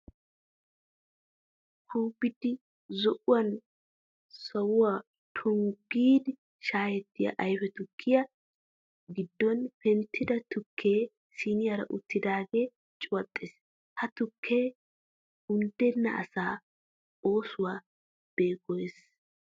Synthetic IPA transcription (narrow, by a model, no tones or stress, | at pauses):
kʰuːbɪd̪ɪ | zɔʔʊwɐn | sɐwʊwaː | t̪ʰʊŋɡiːd̪ɪ | ʃaːjɛt̪ːɪjɐ̰ʔɐjfɛt̪ʊkʰːɪjɐ | ɡɪd̪ːɔnpɛnt̪ʰːɪd̪ɐt̪ʊkʰːe̞ː | sɪnɪjɐɾɐ̰ʔʊt̪ːɪd̪aːɡe̞ː | t͡ʃʼʊwɐt̪ʼːɪs | hɐt̪ʊkʰːe̞ː | ʊnd̪ɛnːɐ̰ʔɐ̰saː | o̞ːsʊwaː | b̥eːɡɔjes